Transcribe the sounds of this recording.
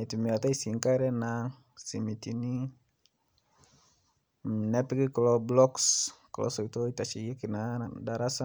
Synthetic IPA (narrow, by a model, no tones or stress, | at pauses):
itimiataisiŋkaɾɛna | simitini | nɛpikikɔlɔblɔkskɔlɔ̰sɔbitoitat͡ʃijekinadaɾasa